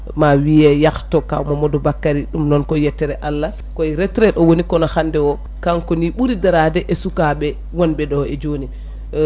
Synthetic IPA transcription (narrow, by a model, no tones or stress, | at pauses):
mawijɛjaktɔka̰wmamɔdɔbakːaɾiɗumnɔnkɔjɛtːɛɾɛʔalːa | kɔjɾɛtɾɛɗɔwonikɔnahandɛwɔ | kaŋkɔniɓuɾidaɾadɛʔɛsukaɓɛ | wɔnbɛɗɔɛd͡ʒoni